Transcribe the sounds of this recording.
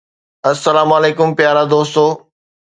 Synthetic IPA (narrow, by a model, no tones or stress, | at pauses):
ɐsːɐlaːmaːleːkʊmpjaːɾad̪oːst̪oː